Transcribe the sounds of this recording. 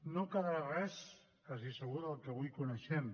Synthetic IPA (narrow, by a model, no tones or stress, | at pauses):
nokəðɾarɛs | kazisəɣuðəlˠkəβujkunəʃɛm